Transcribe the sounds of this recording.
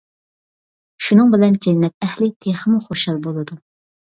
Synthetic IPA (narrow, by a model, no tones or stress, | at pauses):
ʃunɨŋbɪlɛnd͡ʒɛnːɛt̪̚ɛhlɪt̪ʰeχəmuχoʃɑlˠbolˠɨd̪u